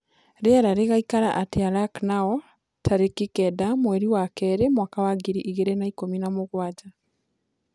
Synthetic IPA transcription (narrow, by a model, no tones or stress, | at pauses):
ɾeaɾaɾeɣaikaɾaʔateaɾaknaɔ | tʰaɾekikɛdamwɛɾiwakɛɾemwakawaɡiɾiʔiɣeɾenaikominamoɣwad͡ʒa